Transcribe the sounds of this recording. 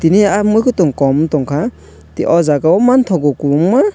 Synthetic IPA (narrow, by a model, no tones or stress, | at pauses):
tiniamujkɔtuŋkɔmtɔŋkʰa | tiʔɔzaɡawmantʰɔɡɔkuuŋma